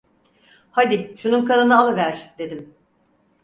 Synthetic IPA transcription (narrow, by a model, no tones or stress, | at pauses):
had̪ɪʃununkʰanˠɯnaalˠɯvæɾ̥d̪e̞d̪im